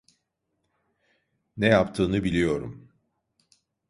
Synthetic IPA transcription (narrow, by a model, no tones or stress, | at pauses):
nɛjapt̪ʰɯːnɯbilʲijo̞ɾṵm